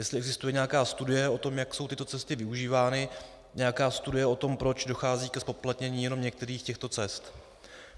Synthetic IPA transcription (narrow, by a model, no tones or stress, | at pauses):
jɛstlɪʔɛɡzɪst̪ujɛɲɛakaːst̪udɪjɛo̞t̪o̞mjakso̞wt̪ɪt̪o̞t͡sɛst̪ɪvɪuʒiːvaːnɪ | ɲɛjakaːst̪udɪjɛʔo̞t̪o̞mpɾo̞t͡ʃdo̞xaːziːkɛspo̞plat̪ɲɛɲiːjɛnomɲɛk̚t̪ɛɾiːxcɛxt̪o̞t͡sɛst̪